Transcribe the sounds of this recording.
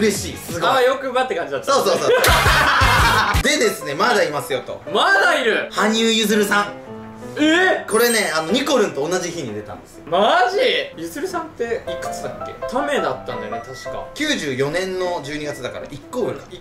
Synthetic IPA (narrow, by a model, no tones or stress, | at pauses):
ɯ̟ɾe̞ɕiːaβajokɯ̟bat̪ːekãɲd͡ʑid̪at̪ːasoːso̞ːso | d̪e̞d̪e̞sɨne̞mad̪aimasɨjo̞t̪o̞̰mad̪aiɾɯ̟haɲ̟ɯːjɯzɨɾɯ̟sãŋ | eko̞ɾe̞ne̞ano̞ɲ̟iko̞ɾɯ̟̃nt̪o̞ːnaʑiçiɲ̟ːid̪e̞t̪ã̰nd̪e̞sɨjomaʑijɯ̟zɨɾɯ̟sãnt̪ːe̞ikɯ̟̥t͡sɨd̪akːe̞̰t̪ʰame̞d̪at̪ːãnd̪ajnet̪aɕi̥ka̰kʲɨːʑɨːjo̞nẽ̞nːo̞d͡ʑɨːɲ̟iɡat͡sɨd̪aka̰ɾa̰ʔikːoːbɯkḁ